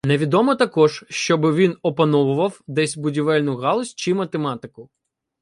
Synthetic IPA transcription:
neʋʲid̪ɔmɔt̪ɐkɔʒʃt͡ʃɔbɪʋʲinɔpɐnɔʋʊʋɐwd̪ɛsʲbʊdʲiʋɛlʲnʊɣɑlˠɔsʲt͡ʃimɐt̪emɑt̪ɪkʊ

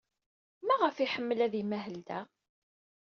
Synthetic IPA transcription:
mæʁəfiħəmːəlæðimæɦəld̪æ

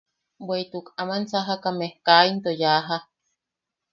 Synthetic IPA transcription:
bweit̪ukamansaɦakamehkaint̪ojaɦa

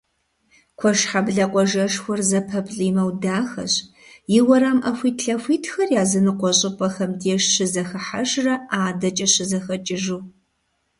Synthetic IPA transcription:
kʷʰɔʃħabɮɐqʷʼɔʒɐʂxʷɔrzɐpʰɐpɬʼiːmɐwdaːxɐ̰ɕ | jɪwɐɾamʔɐxʷiːtʰɬɐxʷiːtʰxɐrjaːzɨnɨqʷɔɕʼɪpʼɐxɐmdeːʂɕɪzɐxɐħaʒrɐaːdɐt͡ʃʼɐɕɪzɐxɐt͡ʃʼɪʒuː

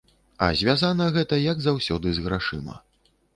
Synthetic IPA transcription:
ɐ̰zʲvʲazanɐɣɛt̪ɐjɐɡzawsʲɔd̪ɨzɣɾaʂɨ̰mɐ̰

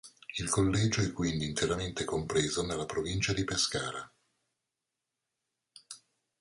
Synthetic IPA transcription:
ilkolːɛːd͡ʒoɛkːwind̪iːnt̪eɾament̪ekompɾeːzonelːapɾovint͡ʃad̪ipeskaːɾa

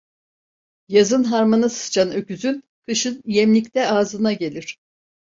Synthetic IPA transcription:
jazɯnɦaɾmanɯsɯ̥t͡ʃʰanøcyzyn | kʰɯʃɯnjɛmlʲicʲt̪ɛaːzɯnaɟe̞lʲiɾ̝̥

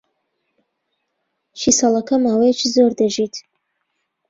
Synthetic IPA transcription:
ʃisalɐkʰɐmaːwejt͡ʃʰizoːrdɐʒiːtʰ

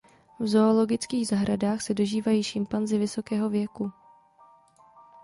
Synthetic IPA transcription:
vzo̞olo̞ɡɪt͡skiːɣzaɦɾadaːxsɛdo̞ʒiːvajiːʃɪmpanzɪvɪso̞kɛːɦo̞vjɛku

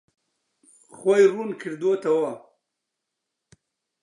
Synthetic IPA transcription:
xwajɾunkʰiɾd̪ot̪awa

